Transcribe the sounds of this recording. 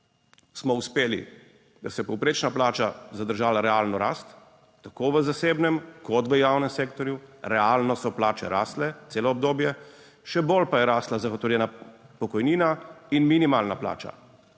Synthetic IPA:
smɔuspeːlḭ | d̪asɛpɔwpɾeːt͡ʃnaplaːt͡ʃazad̪əɾʒaːlaɾɛalnɔɾa̰ːst̪ː | akoːʋəzaseːbnɛmkɔt̪ʋəjaːwnɛmseːkt̪ɔɾjuɾɛalnɔsɔplaːt͡ʃɛ̰ɾa̰ːslɛt̪seːlɔːb̚d̪oːbjɛ | ʃɛbolpajɛɾaːslazaxɔt̪ɔwljɛnapɔkɔjniːnainminimaːlnapla̰ːt͡ʃa̰

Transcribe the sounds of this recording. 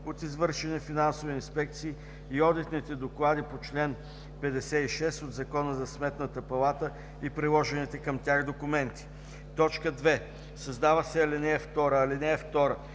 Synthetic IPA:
ot̪izvɤɾʃɛnifinansoviinspɛk̚t̪siː | iɔd̪it̪nit̪ɛd̪oklˠad̪ipot͡ʃlɛn | pɛd̪ɛsɛiʃɛst̪od̪zɐkɔnəzɐsmɛt̪nət̪əpɐlˠat̪ə | ipɾilˠɔʒɛnit̪ɛkəmt̪ʲjaxd̪okʊmɛnt̪i̥ | t̪ɔt͡ʃkəd̪vɛ | sɐzd̪avəsɛɐlinɛɛft̪ɔɾəːlinɛɛft̪ɔɾə

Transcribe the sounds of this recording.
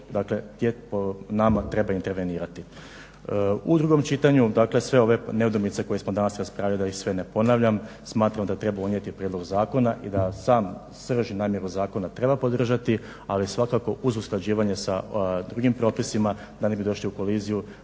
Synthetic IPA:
d̪akle̞t̪jeponamat̪ɾe̞baint̪e̞ɾʋe̞niːɾat̪i | ud̪ɾuɡo̞mt͡ʃit̪aɲud̪akle̞sʋe̞o̞ʋe̞neud̪omit̪se̞ko̞jesmod̪anasɾaspɾaːʋjalid̪aisʋe̞ne̞po̞naʋʎam | smaːt̪ɾamd̪at̪ɾe̞baunje̞t̪ipɾjed̪lo̞ɡzaːko̞naʔid̪asaːm | sr̩ʒinaːmje̞ɾuzaːko̞nat̪ɾe̞bapo̞d̪r̩ʒat̪i | alisʋakako̞uzusklˠad͡ʑiːʋaɲe̞sad̪ɾuɡimpɾo̞ːpisima | d̪anebid̪o̞ʃliuko̞liːziju

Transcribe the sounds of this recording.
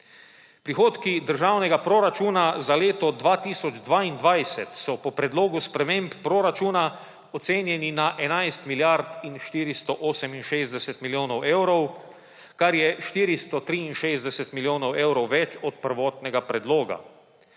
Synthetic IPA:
pɾixoːt̪kid̪əɾʒaːwnɛɡapɾoɾat͡ʃuːnazaleːt̪ɔd̪ʋaːt̪iːsɔd͡ʒd̪ʋaːind̪ʋajsɛt̪sɔpɔpɾɛd̪loːɡuspɾɛmeːmpːɾoɾat͡ʃuːna | ɔt̪seːnjɛninaʔɛnajst̪miljaɾt̪inʃt̪iːɾist̪ɔʔoːsɛminʃeːzd̪ɛsɛt̪miljoːnɔweːwɾɔw | kaɾjɛʃt̪iːɾist̪ɔt̪ɾiinʃeːzd̪ɛsɛt̪miljoːnɔweːwɾɔwʋɛt͡ʃɔt̪̚pəɾʋɔːt̪nɛɡapɾɛd̪loːɡa̰

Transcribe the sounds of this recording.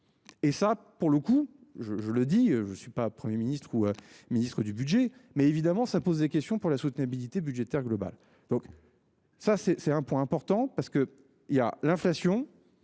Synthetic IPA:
esa | puʁləkuʒəʒələd̪iøʒəsɥipapχəmjeminist̪χuøminist̪χəd̪ybyd̪ʒemɛevid̪amɑ̃sapozd̪ekʲɛst̪jɔ̃puʁlasut̪nabilit̪ebydʒet̪ɛʁɡlɔba̰l | d̪̥ɔ̃k | sasɛsɛt̪ɛ̃pwɛ̃ɛ̃pɔʁt̪ɑ̃paʁsə̥kə | ilja̰lɛ̃flasjɔ̃

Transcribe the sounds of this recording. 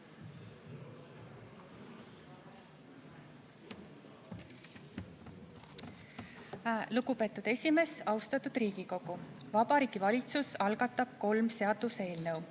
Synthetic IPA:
luɡ̥upe̞ːt̪ːˑud̪̥e̞sʲime̞sɑwst̪ɑt̪ːˑud̪̥riːɡ̥iko̞ɡ̥uvɑbɑɾiːɡ̥ivɑlʲit̪susɑlɡ̥ɑt̪ːˑɑb̥̚ko̞lmseɑd̪̥use̞ːlnəw

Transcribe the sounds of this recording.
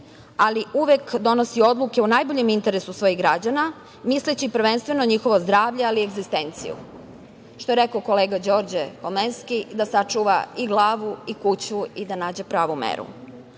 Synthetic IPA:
aliʔuʋekd̪o̞no̞sio̞d̪luke̞unaːjboʎemint̪e̞ɾesusʋo̞jiɣɡɾad͡ʑana | mislet͡ɕipɾʋenst̪ʋe̞no̞ɲixo̞ʋozd̪ɾaːʋʎealieɡzist̪e̞nt̪sḭjṵ | ʃt̪o̞e̞ɾekooko̞leːɡad͡ʑo̞ːɾd͡ʑekolmenskid̪asat͡ʃuʋaiɡlˠaːʋuikut͡ɕuid̪anaːd͡ʑepɾaːʋumḛɾṵ

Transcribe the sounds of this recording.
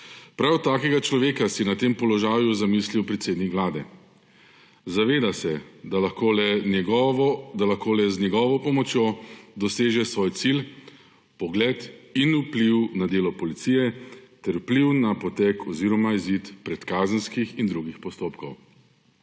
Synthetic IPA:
pɾawt̪aːkɛɡat͡ʃlɔʋeːkasinat̪eːmpɔlɔʒaːjuzamisliwpɾɛt̪seːd̪nikʋlaːd̪ɛ | zaʋeːd̪asɛd̪alaxkolɛɡd̪alaxkoːlɛznjɛɡɔːʋɔpɔmɔt͡ʃjoːd̪ɔseːʒɛsʋoːjt̪sil | pɔɡlɛt̪inupliwnad̪eːlɔpɔlit̪siːjɛt̪ɛɾwpliwnapɔt̪ɛkɔziːɾɔmaizit̪pɾɛt̪kaːzənskixind̪ɾuɡixpɔst̪oːpkɔw

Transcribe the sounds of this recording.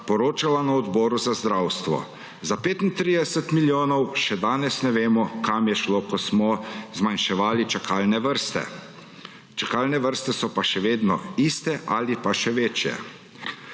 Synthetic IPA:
pɔɾoːt͡ʃalanaɔd̪bɔːɾuzazd̪ɾawst̪ʋɔ̰ | zapeːt̪int̪ɾid̪ɛsɛt̪miljoːnɔwʃɛd̪aːnɛsnɛʋeːmɔkamjɛʃloːkɔsmɔzmanʃɛʋaːlit͡ʃakʰaːlnɛʋəɾst̪ɛ̰ | t͡ʃakaːlnɛʋəɾst̪ɛsɔpaʃɛʋeːd̪nɔiːst̪ɛʔaːlipaʃɛʋeːt͡ʃjɛ̰

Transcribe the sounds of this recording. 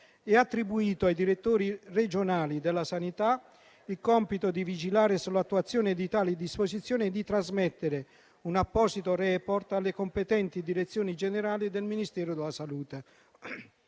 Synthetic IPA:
ɛat̪ːɾibuiːt̪oajd̪iɾet̪ːoːɾired͡ʒonaːlid̪elːasanit̪a | ilkɔmpit̪od̪ivid͡ʒilaːɾɪsulat̪ːuat̪sːjɔːnɪd̪it̪aːlid̪ispozit̪sːjɔːnɪd̪it̪ɾazmɛt̪ːeɾe | unapːɔːsit̪orɛpɔrt̪alːekompet̪ɛnt̪id̪iɾet̪sːjoːnid͡ʒeneɾaːlid̪elminist̪ɛːɾod̪elasaluːt̪e

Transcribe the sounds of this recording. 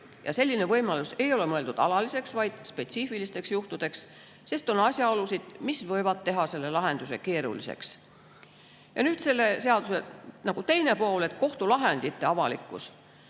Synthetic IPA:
jɑ̰se̞lʲːine̞vɤjmɑluse̞jo̞le̞mɤe̞ld̪ud̪ɑlɑlise̞ksvɑjd̪̥spe̞t̪sifilist̪e̞ksjuht̪ud̪̥e̞ks | se̞st̪o̞nɑsʲjɑo̞lusid̪̥misvɤ̞jvɑd̪̥̚t̪e̞ɦɑse̞lːe̞lɑɦe̞nd̪use̞̰ke̞ːɾṵlḭsḛks | jɑ̰nyːd̪se̞lːe̞se̞ɑd̪̥use̞nɑɡ̥ut̪e̞jne̞po̞ːle̞t̪ko̞ht̪ulɑɦe̞nd̪̥it̪ːˑe̞ɑvɑlḭkːˑṵs

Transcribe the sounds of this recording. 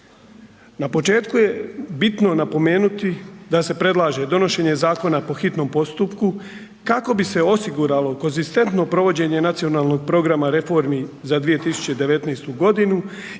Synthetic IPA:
napo̞t͡ʃe̞ːt̪kuje̞bit̪no̞napo̞me̞ːnut̪id̪ase̞pɾe̞d̪lˠaːʒe̞d̪o̞no̞ʃe̞ɲe̞zaːko̞napo̞xit̪no̞mpo̞st̪upku | kako̞bise̞o̞siɡuɾalo̞ko̞nzist̪e̞nt̪no̞pɾo̞ʋo̞d͡ʑe̞ɲe̞nat̪sio̞naːlˠno̞ɡ̚pɾo̞ɡɾamaɾe̞fo̞ɾmizad̪ʋije̞t̪isu̥t͡ɕe̞d̪e̞ʋe̞t̪nejst̪uɡo̞d̪inu

